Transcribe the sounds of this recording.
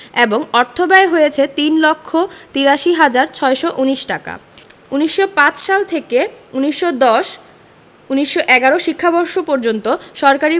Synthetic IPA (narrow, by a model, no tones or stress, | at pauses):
eboŋɔɾt̪ʰobaeɦojet͡ɕʰet̪inlokʰːot̪iɾaʃiɦad͡ʑaɾt͡ɕʰɔeʃoʔuniʃʈaka̰uniʃːopãt͡ɕʃalt̪ʰekeuniʃːod̪ɔʃ | uniʃːoʔɛɡaɾoʃikʰːabɔɾʃopɔɾd͡ʑont̪oʃɔɾkaɾi